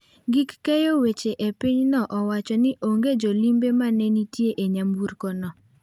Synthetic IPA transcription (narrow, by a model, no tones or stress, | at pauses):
ɡɪkːɛjowet͡ʃeʔepiɲnɔʔɔwat͡ʃɔnɪʔoŋɡed͡ʒɔlimbemanɛnitjeʔeɲamuɾkɔnɔ